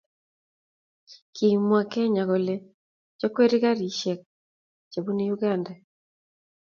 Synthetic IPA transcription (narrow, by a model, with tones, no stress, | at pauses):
kʰi˨mwa˨kɛ˦ɲa˨ɣɔ˨le˨ | t͡ʃɔ˦kwe˦ɾi˦ɣa˦ɾi˨ʃɛ˨k̚ | t͡ʃe˨βu˦ni˦juɡanda